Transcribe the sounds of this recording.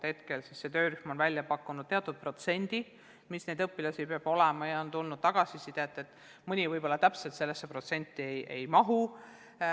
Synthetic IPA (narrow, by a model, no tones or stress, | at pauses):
he̞t̪ke̞lsisːe̞t̪ø̞ːɾyhmo̞nvælʲjɑpɑkːˑunud̪̥t̪e̞ɑt̪ːˑud̪̚pro̞t̪se̞nʲd̪̥i | misne̞jd̪ɤpːˑilɑsipeɑb̥o̞lɛmɑjɑont̪ulnud̪̥̚t̪ɑɡ̥ɑsisid̪̥et̪ːˑe̞t̪ːˑ | mɯnʲivɤjbo̞lːɑt̪æpselt̪se̞lːesːepro̞t̪se̞nʲt̪ˑːiejʔe̞̰jmɑɦu